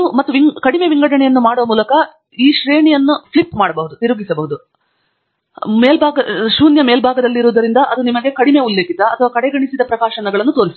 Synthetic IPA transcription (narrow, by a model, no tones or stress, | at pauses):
mɐt̪ːuʋiŋkɐɽimeʋiŋɡɐɽɐɳɛjɐnːumaːɽoːɐmuːlɐkɐ | iːʃɾe̞ːɳijɐnːuplipːmaːɽɐbɐɦud̪ut̪iɾuɡisɐbɐɦud̪u | meːlbʱaːɡɐʃuːnjɐmeːlbʱaːɡɐd̪ɐlːiɾuːd̪ɐɾind̪ɐʔɐd̪unimɐɡe̞kɐɽime̞ulːeːkit̪ɐɐt̪ʰɐʋaːkɐɽeɡɐɳisid̪ɐpɾɐkaːʃɐɳɐɡɐɭɐnːut̪o̞ːɾisu̥